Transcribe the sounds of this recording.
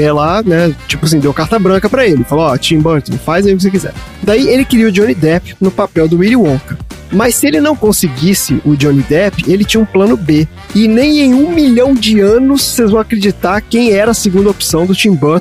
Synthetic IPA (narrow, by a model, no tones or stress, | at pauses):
ɛlanɛt͡ʃipʊas̬ĩd̪ewkaɾt̪ɐbɾɐ̃kɐpɾɐelɪfaloɔt͡ʃĩmbɐɾt̪õfajzɐiʊk̬ɪs̬ekizɛ̰ɾ | d̪aielɪkɪɾiwʊd͡ʒõnid̪ɛpɪnʊpapɛwd̪ʊwiɾiwõkɐmɐssielɪnɐ̃w̃kõsɪɡisɪ̰ʔʊd͡ʒõnid̪ɛpɪelɪt͡ʃĩɲɐũplɐ̃nʊbe | ɪnẽj̃ẽj̃ũmilɐ̃w̃d͡ʒɪɐ̃nʊssejzvɐ̃w̃akɾed͡ʒit̪aɾkẽj̃ɛɾɐsɪɡũnd̪ɐopi̥sɐ̃w̃d̪ʊt͡ʃĩmboɾt̪